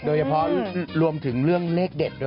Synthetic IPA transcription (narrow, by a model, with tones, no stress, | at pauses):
doː˧jt͡ɕʰa˧˩pʰɔː˦˧ɾu˧əmt̪ʰɯ˩˦ŋɾɯ˥˩əŋleː˦˥˩k̚de˨˩k̚do˧